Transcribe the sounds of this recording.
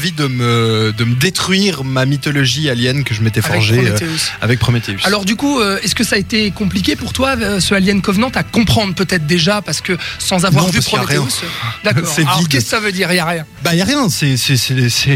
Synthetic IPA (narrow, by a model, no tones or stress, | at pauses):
vid̪əməd̪əməd̪et̪χɥiʁmamit̪ɔlɔʒialjɛnkəʒəmet̪ɛfɔʁʒesa̰vɛk̚pχɔmet̪eysalɔʁd̪ykuøɛskəsaːet̪ekɔ̃plikʲepuʁt̪wasəaljɛnkɔvnɑ̃t̪akɔ̃pχɑ̃d̪ʁpøt̪ɛt̪χd̪eʒapaʁsə̥kəsɑ̃zavwaɔʁ̃vypɔaʁjɛ̃sd̪akɔsɛavɔiʁkɛskə̥savød̪iʁjaʁjɛ̃bajaʁjɛ̃sɛsɛsɛsɛ